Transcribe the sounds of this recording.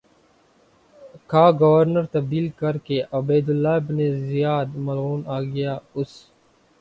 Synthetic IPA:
kʰaːɡəʋəɾnəɾt̪ɐb̚d̪iːlkəɾkeʔɐbeːd̪ʊlːaːbnezɪjaːd̪mɐlɣuːnaːɡəjaːʊs

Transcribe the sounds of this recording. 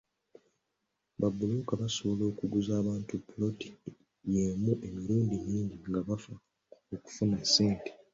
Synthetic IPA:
βabːulukaβaso̞βo̞lo̞ːkuɡuzaːβaːntupulo̞ti̥ | jeːmuʔe̞miɾuːndiɲiːɲɟiŋɡaβafa | oku̥funase̞ːnte

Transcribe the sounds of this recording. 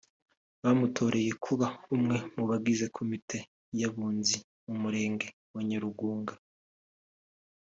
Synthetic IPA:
βamutʰo̞ːɾe̞je̞kʰuβahumŋe̞muβaɡize̞kʰomitʰe̞ | jaβuːnzi | umuɾe̞ːŋɡe̞ | waɲeɾuɡuːŋɡa

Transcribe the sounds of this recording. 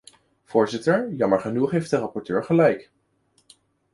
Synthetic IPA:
v̥ʊːɹzɪtəɹjɑməɹχənuχɦejft̚dərɑpɔɹtøːɹχəlɛjk

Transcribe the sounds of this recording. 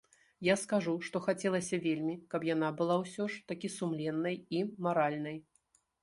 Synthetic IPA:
jaskaʐuʂt̪ɔxat͡sʲɛlˠɐsʲɐvʲelʲmʲikɐpjan̪abɨlˠawsʲɔʂt̪akʲisumlʲɛnːɐjimaɾalʲnɐj

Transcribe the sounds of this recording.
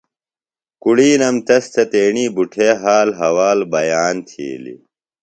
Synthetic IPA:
kuɽiːnɐmt̪ɐst̪ɐt̪eːɳiːbuʈʰeːɦaːlɦɐwaːlbɐjaːnt̪ʰḭːlḭ

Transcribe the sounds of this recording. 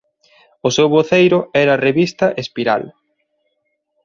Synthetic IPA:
ʊsewβoθejɾʊɛɾɐreβist̪ɐʔespiɾa̰l

